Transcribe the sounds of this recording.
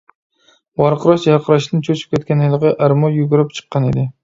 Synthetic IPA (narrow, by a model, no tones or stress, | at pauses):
wɑɾqɨɾɑʃjɑɾqʰəɾɑʃnɪnt͡ʃʰot͡ʃʰɪ̥p̚kʲɛt̪̚kʲanɪjlˠɨʁɨʔæɾmɔjuɡuɾɪp̚t͡ʃʰɨ̥qːɑned̪ɪ